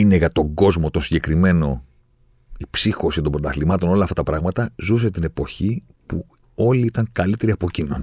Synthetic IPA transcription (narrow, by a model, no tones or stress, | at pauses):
ineɣɐt̪o̞ɡo̞zmo̞t̪onsiɲɟe̞kɾime̞no̞ | ipsixo̞sit̪o̞mbɾot̪ɐθlimɐt̪ono̞lɐːft̪ɐt̪ɐpɾɐɣmɐt̪ɐzus̬e̞t̪ine̞po̞çi | pu | o̞liit̪ɐŋkɐlit̪e̞ɾiɐpo̞cinoni